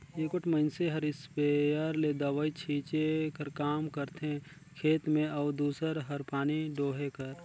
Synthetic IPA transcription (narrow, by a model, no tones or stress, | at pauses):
eːkʊʈʰməɪnseɦɐɾɪspeəɾled̪əʋəit͡ʃʰiːt͡ʃekəɾkaːmkəɾt̪ẽ | kʰeːt̪mẽɐːd̪uːsəɾɦəɾpaːniɖoːɦekəɾ